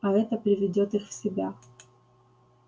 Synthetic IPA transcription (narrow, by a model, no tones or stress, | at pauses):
ɐɛt̪əpɾʲɪvʲɪdʲot̪ɨxfsʲɪbʲa